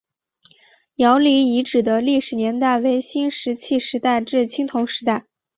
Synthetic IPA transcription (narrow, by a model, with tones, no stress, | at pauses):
jɑ˧˥ʊli˧˥i˧˥ʈ͡ʂɻ̩˨˩d̪ə˦li˥˩ʂɻ̩˨˩njɛ˧˥nt̪a˥˩ɪwe˧˥ɪɕi˥nʂɻ̩˧˥t͡ɕʰi˥˩ʂɻ̩˧˥t̪a˥˧ɪʈ͡ʂɻ̩˥˩t͡ɕʰi˥ŋt̪ʰʊ˧˥ŋʂɻ̩˧˥t̪a˥˩ɪ